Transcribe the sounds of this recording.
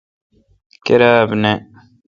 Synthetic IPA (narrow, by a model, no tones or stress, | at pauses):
keɾaːbne